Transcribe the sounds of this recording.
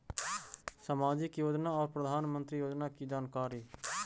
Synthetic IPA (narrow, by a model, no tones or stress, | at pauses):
səmaːd͡ʒɪkjoːd͡ʒnaːɔːɾpɾəd̪ʱaːnmə̃nt̪ɾiːjoːd͡ʒnaːkiːd͡ʒaːnkaːɾiː